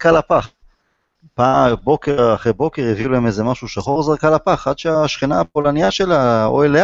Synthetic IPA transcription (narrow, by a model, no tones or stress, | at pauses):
kalapaχ | pabo̞keʁaχejbo̞ke̞ʁiviulaemezemaʃuʃaχoʁzaʁkalapaχad̪ʃeaʃχinaːpolanijaʃelao̰elea